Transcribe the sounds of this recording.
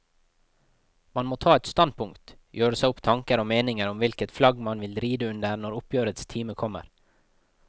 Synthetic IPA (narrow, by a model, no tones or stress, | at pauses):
mɑnmoːt̪ʰɑːɛt̪st̪ɑn̚pʰʊŋkt̪ | jøːɾəsæɪʊpt̪ʰɑŋkəɾoːmeːnɪŋəɾʊmʋɪlkət̪flɑɡmɑnʋɪlɾiːd̪əʉnd̪əɾnɔɾʊpʰjøːɾət̪st̪ʰiːməkʰɔmə̰ɾ